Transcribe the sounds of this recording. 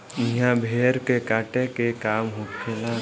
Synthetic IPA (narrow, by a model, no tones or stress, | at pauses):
ɪɦãbʱeːɾkekaːʈẽkekaːmɦokt͡ʃʰela